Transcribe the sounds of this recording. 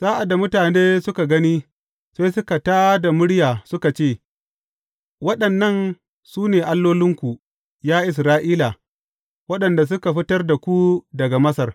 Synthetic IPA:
z̥aː˦ʔa˨dːa˨mʊ˦taː˨neː˦sʊ˦ka˨ɡɐ˦niː˦ | se˦jsʊ˦ka˨taː˦da˨mʊ˦ɽjaː˨sʊ˦ka˨t͡ʃeː˦˨ | wɐ˦ɗɐ˨nːɐ˦˨n | suː˦neː˨ʔa˦lːoː˦lɪ˦ŋkʷu˨ | jaː˦ʔɪ˨s̬ɾaː˦ʔiː˦la˨ | wɐ˦ɗɐ˨nda˨s̬ʊ˦ka˨ɸɪ˦tɐ˦rda˨kʷu˦dɐ˨ɡa˨mɐ˦sɐ˨r

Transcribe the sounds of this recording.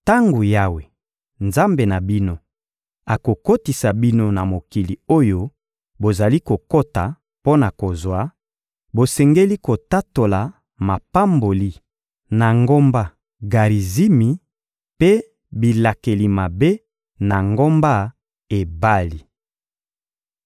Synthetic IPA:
ta˦ŋɡo˨ja˦we˨ | nza˦mbe˨na˨bi˦no˦ | a˨ko˨ko˦ti˨sa˨bi˦no˦na˨mo˨ki˨li˨o˦jo˦ | bo˨za˨li˦ko˨ko˦ta˨ | po˦na˨ko˨zwa˦ | bo˨sɛ˨ŋɡe˦li˦ko˨ta˦to˨la˨ | ma˨pa˦mbo˨li˦ | na˨ŋɡo˦mba˦ | ɡa˨ʁi˨zi˦mi˨ | pe˦ | bi˨la˨ke˨li˨ma˨be˦ | na˨ŋɡo˦mba˦ | e˨ba˦li˨

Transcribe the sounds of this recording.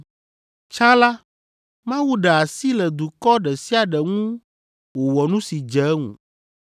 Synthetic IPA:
t͡ʃã˦la˦ | mã˦wu˦ɖe˨a˨si˦lɛ˨d̪u˨kɔ˦ɖɛ˨si˦a˨ɖɛ˨ŋũ˦ | wo˨wɔ˨nũ˦si˨d͡ʒɛ˨˦ŋṵ̃˨

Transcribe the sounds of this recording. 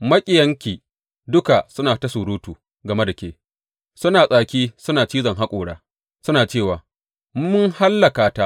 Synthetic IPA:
mɐ˦kʲʼɪ˨jɐ˦ŋkʲiː˨ | dʊ˦ka˨sʊ˦naː˨tɐ˦sʊ˨ɽuː˦tuː˨ | ɡɐ˨me˦da˨kʲeː˦ | sʊ˦naː˨sʼaː˨kʲiː˦sʊ˦naː˨t͡ʃiː˦zɐ˨ŋɦa˦kʷʼoː˨ɽaː˦ | sʊ˦naː˨t͡ʃeː˦˨waː˨ | m˦mʊ˦ŋha˦lːɐ˨kaː˨ta˦ʔ

